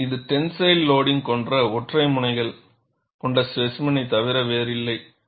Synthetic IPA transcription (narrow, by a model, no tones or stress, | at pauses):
ɪðɯʈɛnsɐɪlːoːɽɪŋkɔndrɐɔʈrɐɪmʊnɐɪɣɐɭ | kɔɳɖɐsʋɛsmɐnɐɪt̪ɐʋɪɾɐʋeːɾɪlːɐɪ